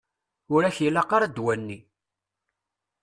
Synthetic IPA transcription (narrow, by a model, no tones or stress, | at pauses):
ʊɾæçjəlːaqaɾad̪wænːi